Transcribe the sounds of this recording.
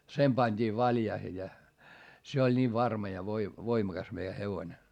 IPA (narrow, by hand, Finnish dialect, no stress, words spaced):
sem pɑnʲd̥iː ʋɑljɑihe jɑ se olʲ niː ʋɑrmɑ jɑ ʋoi ʋoimɑkɑs meijæ heʋonʲe